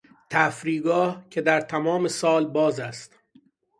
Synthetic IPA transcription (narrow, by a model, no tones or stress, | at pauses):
t̪ʰæfɾiːɡɒːhcʰe̞d̪æɾt̪ʰæmɒːme̞sɒːlbɒːzæst̪